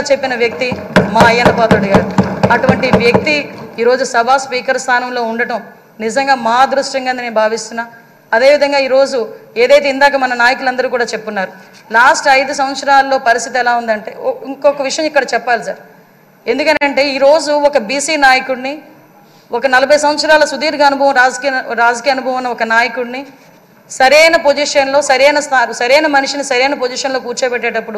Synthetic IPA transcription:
t͡ʃe̞pːinɐʋjɐk̚t̪imaːɐjɐnɐpaːt̪oɽiɡaːɽuɐʈuʋɐɳʈiʋjɐk̚t̪iiːɾo̞ːd͡ʒusɐbʱaːspiːkɐɾst̪ʰaːnɐmlo̞ːuɳɖɐʈɐm | nizɐŋɡaːmaːd̪ɾuʂʈjɐŋɡaːnd̪ineːbʱaːʋist̪unːaː | ɐd̪e̞ːʋid̪ʱɐŋɡaːiːɾo̞ːd͡ʒue̞ːd̪ɐjt̪̬eːind̪aːkɐmɐnɐnaːjɐkulɐnd̪ɐɾuːkuːɽaːt͡ʃe̞pːunːaːɾu | laːsʈɐjd̪us̬ɐmʋɐt̪sɐɾaːlːo̞ːpɐɾist̪it̪ɛlaːund̪ɐɳʈe̞ːiŋkɔkɐʋiʂɐjɐ̃mikːɐɽɐt͡ʃɛpːaːlisa̰ːɾ | e̞nd̪ukɐnɐɳʈe̞ːiːɾo̞ːd͡ʒuɔkɐbiːsiːnaːjɐkuɽni | ɔkɐnɐlɐbʱɐjs̬ɐmɐt̪sɐɾaːlɐsud̪iːɾɡaːɐnubʱɐʋɐmɾaːd͡ʒkiɾaːd͡ʒɐkiːjɐnubʱɐʋɐnːɐɔkɐnaːjɐkuɽni | sɐɾejnɐpod͡ʒiːʂɐnlo̞ːsɐɾɛjnɐst̪aɾsɐɾɛjnɐmɐniʂinisɐɾɛjnɐpod͡ʒiːʂɐnlo̞ːkuːɾt͡ʃepɛʈːeːʈɐpːuɽu

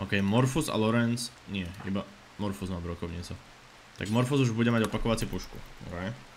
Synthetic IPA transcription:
ʔɔːkɛjmɔɾfuza̰lɔɾɛnt͡s | ɲɪɛḭba | mɔɾfuzmaːbɾɔkɔʊɲiːt͡sɔ | t̪a̰ɡmɔɾfuzuʒbuɟɛmaɟɔpakɔʋat͡sipuʃkṵɾɛj

